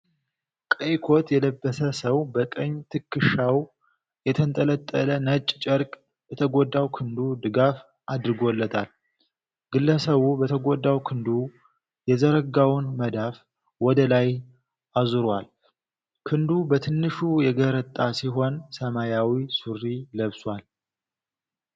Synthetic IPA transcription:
kʼəjkʰo̞t̪ʰjɛləbːəsəsəwbək̪ʼəɲːt̪ʰɨkːɨʃaw | jɛt̪ʰənt̪ʼələt̪ʼːələnət͡ʃʼːt͡ʃʼəɾkʼ | bɛt̪ʰəɡod̪ːawkʰɨnd̪ud̪ɨɡaf | ʔad̪ɾɨɡolːət̪ʰal | ɡ̥ɨlːəsəβubət̪ʰəɡod̪ːawkʰɨnd̪u | jɛzəɾəɡawnməd̪af | wɔd̪əlaj | azɨɾwal | kʰɨnd̪ubət̪ʰɨnːɨʃujɛɡəɾət̪ʼːasiɦo̞nsəmajawisurːiləβswal

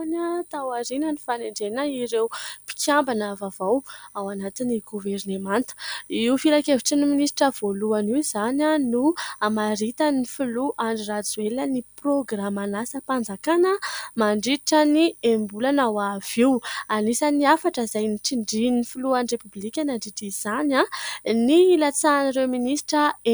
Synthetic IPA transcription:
nat̪awaɾinənifaneɳɖ͡ʐenaiɾewpi̥kʲambanavavawawanat̪iniɡuvernemant̪u̥iufiɾakeviʈ͡ʂənuminisi̥ʈ͡ʂəv̥oluaniwzananuamaɾit̪ənifuluʔaɳɖ͡ʐirad͡zueləniproɡramanasəpand͡zakanəmaɳɖ͡ʐiʈ͡ʂəniembulanawav̥iwanisaniafaʈ͡ʂəizajniʈ͡ʂiɳɖ͡ʐinifuluaɳrepublikʲanaɳɖ͡ʐiʈ͡ʂiz̥ananilat͡saːnaɾewminisʈ͡ʂəe

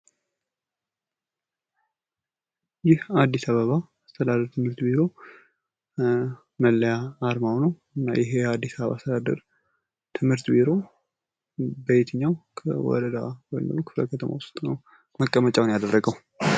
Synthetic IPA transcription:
jɪhad̪ːisaβəβaːst̪ʰəd̪ad̪əɾt̪ʰɨmhɨɾt̪biɾo̞ | məlːəjaːɾmawnəw | ɨnːa̰jɪɦead̪ːisaβəβa̰st̪ʰəd̪ad̪ə̰ɾ | t̪ʰɨmhɨɾt̪biɾo̞ | bəjet̪ʰɨɲːawkʰə̰wɔ̰ɾəd̪a̰wojməokʰɨflə̰kʰət̪ʰəma̰wʊst̪ʼnəw | məkʼːəmət͡ʃʼawnjad̪ərːəɡəw

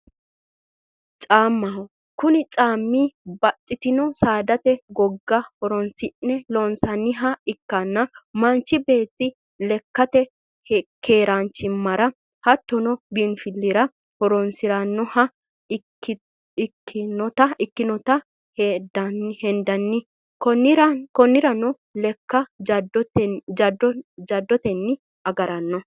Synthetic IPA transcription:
t͡ʃʼaːmːɐ | kʊnɪt͡ʃʼaːmːiːbɐt̪ʼːɪt̪ɪnɔsaːd̪ɐt̪ɛɡɔɡːɐhɔɾɔnsɪʔːɛlɔnsɐnːɪɦɐɪkːɐnːɐmɐnt͡ʃːɪbe̞ːt̪ːɪ | lɛkːɐt̪ɛ | hkʰe̞ːɾant͡ʃːɪmmːɐɾɐ | hɐt̪ːɔnɔbinfɪlːɪɾɐ | hɔɾɔnsɪɾɐnːɔhɐ | kːɪnɔt̪ɐɪkːɪnɔt̪ɐ | hd̪ɐnːɪhɛnd̪ɐnːɪ | kɔɾkɔnːɪɾɐnɔ | lɛkːɐdɔt̪d͡ʒd̪d͡ʒɐd̪ːɔt̪ɛnːɪ | ɐɡɐɾɐnːɔ

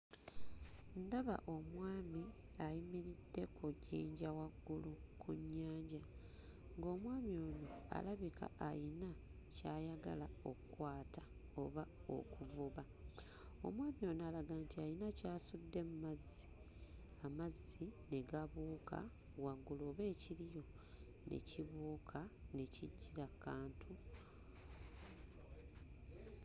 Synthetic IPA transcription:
ndaβa̰ʔo̞mwaːmi | ajimiɾidːe̞kʰuɟiːɲɟawaɡːulukʰuɲːaːɲɟa | ŋɡo̞ːmwaːmio̞ːnoa̰laβikʰa̰ʔajina | caːjaɡalao̞̰kkwaːtḁ | o̞̰βao̰kuvuβa | o̞̰mwaːmjo̞ːnoalaɡaːntiajinacaːsudːe̞mumazːi̥ | amazːine̞ɡaβuːkʰa̰ | waɡuloːβe̞ːcilijo̞ | nʔe̞̰ciβuːkʰane̞ciɟːiɾakːaːntʰu

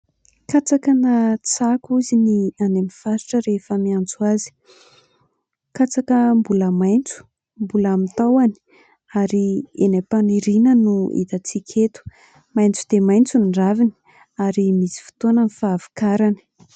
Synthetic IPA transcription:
kat͡sakənat͡sakuzinianemifaɾi̥ʈ͡ʂəɾefəmiant͡suazi̥ | kat͡sakəmbuləmajnt͡su̥ | mbulamit̪awani̥ | aɾienapaniɾinənuḭt̪at͡sikʲʰet̪u̥ | majnt͡sud̪̥emajnt͡suniɖ͡ʐavini̥ | aɾimisi̥fu̥t̪onənifaːvi̥kaɾani̥

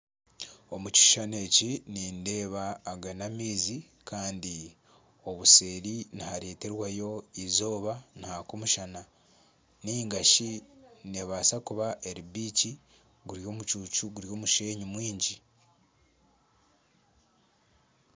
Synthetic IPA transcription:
o̞muci̥ʃane̞ciniːnde̞ːβaːɡanamiːzi | kʰaːndi | o̞βuseːɾinihaɾe̞ːte̞ɾwajo̞izo̞ːβanihakomuʃana | niŋɡaʃineβaːsakuβaʔeɾibiːci | ɡuɾjo̞ːmut͡ʃuːt͡ʃuɡuɾjo̞ːmuʃe̞ːɲimwiːɲɟi

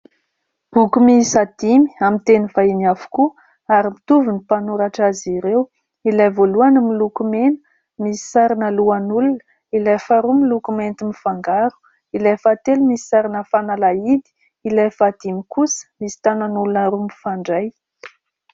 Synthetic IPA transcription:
b̥ukumisad̪̥imi̥amint̪enifainafu̥ku | aɾimit̪uvunipanuɾaʈ͡ʂaziɾew | ilajvoluanəmilukumenə̥ | misi̥saɾinəluanulunə | ilajfaɾumilukument̪imifaŋɡaɾu̥ | ilajfat̪elumisi̥saɾinəfanalaid̪i̥ | ilajfad̪̥imikusə̥misi̥t̪ananulunəɾumifaɳɖ͡ʐaj

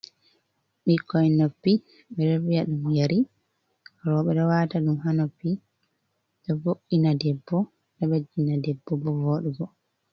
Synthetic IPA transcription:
ɓikʰːɔjnopːi | ɓɛɗɔɾijaɗumujaɾi | ɾɔɓɛɗɔwataɗumɦanopːi | ɗɛvoʔːinadɛbːɔ | ɗɛɓad͡ʒːinadɛbːɔbɔvoːɗuɡɔ

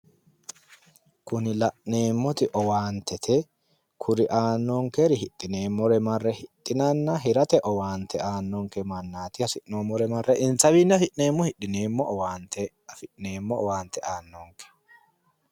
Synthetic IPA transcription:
kʊnɪlɐʔneːmːɔt̪ɪʔɔwaːnt̪ʰɛt̪ʰɛ | kʰʊɾɪʔaːnːɔŋkɛɾɪɦɪt̪ʼːɪneːmːɔɾɛmɐrːɛhɪt̪ʼːɪnanːɐɦɪɾɐt̪ɛʔɔwaːnt̪ɛaːnːɔŋkɛmɐnːaːt̪ɪhɐsɪʔnoːmɔɾɛmɐrːɛʔɪnsɐβinːɐfɪʔneːmːɔhɪᶑːɪneːmːɔʔːwaːnt̪ɛ | ɐfɪᶑneːmːɔːwaːnt̪ɛʔaːnːɔŋkɛ̥

